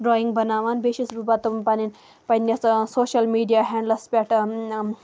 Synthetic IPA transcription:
ɾoːiŋɡbɐnaːʋaːnbeːʃisbubat̪umpanin | pɐnʲɐssoːʃɐlmiːɖijaːɦɛɳɖlɐspʲaʈ

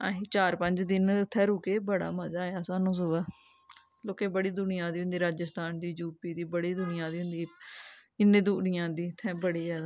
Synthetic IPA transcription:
a̰ːɦiːt͡ʃaːɾpəɲd͡ʒd̪ɪnɪt̪ʰːɛːɾuːkeːbəɽa̰ːməzaːjaːsaːnũːs̬ʊʋaː | loːkeːbəɽiːd̪ʊnɪjãːd̪iːɦʊ̃nd̪iːɾaːd͡ʒəst̪aːnd̪iːd͡ʒuːpiːd̪iːbəɽiːd̪ʊnɪjãːd̪iːɦʊnd̪iː | ɪnːẽːd̪uːnɪjãːd̪iːt̪ʰːɛ̃ːbəɽiːzaːd̪aː

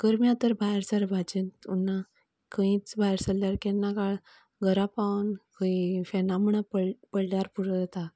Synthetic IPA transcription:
kəɾmjat̪əɾbʱajɾsəɾbʱad͡ʑənt̪unːa | kʰə̃ĩt͡sbʱajɾsəllaɾkɛnːakaɭ | ɡʱəɾapankəifɛnaməɳapəpəɽljaɾpuɾd͡zət̪a

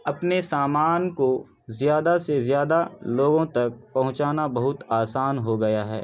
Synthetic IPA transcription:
ɐpnesaːmaːnko | zjaːd̪asezjaːd̪aloːɡõt̪ɐk̚pɐɦʊ̃t͡ʃaːnabɐɦʊt̪aːsaːnɦoɡɐjaɦɛ̰ː

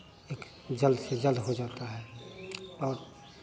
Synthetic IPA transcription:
eːk | d͡ʒəld̪sed͡ʒəld̪ɦod͡ʒaːt̪aɦɛː | ɔːɾ

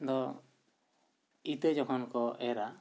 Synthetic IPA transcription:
d̪ɔ | it̪əd͡ʒɔkʰɔnkɔʔɛɾa

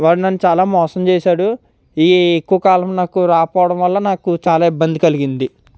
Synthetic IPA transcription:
ʋaːɽunɐnːut͡ʃaːlaːmɔːsɐmt͡ʃeːʃaːɽu | iːekːuʋɐkaːlɐmnaːkuɾaːpɔːʋɐɽɐmʋɐlːɐnaːkut͡ʃaːlaːibːɐnd̪ikɐliɡind̪i

